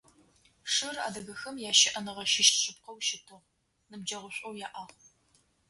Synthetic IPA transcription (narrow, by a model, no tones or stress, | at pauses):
ʂɨra̰ːdɐɣɐxɐmjaːʃɪʔɐnɨʁɐʃɪʃɕʼɪp̚qɐwʃɪtʰɨʁ | nɨbd͡ʒɐʁʷʊɕʷʼowjaːʔaːʁ